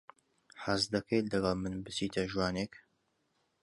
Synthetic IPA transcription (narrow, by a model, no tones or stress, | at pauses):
ħazd̪ɐkʰet̪lɐɡɐlˠmɨnbɨt͡siːt̪ʰɐʒwaːnek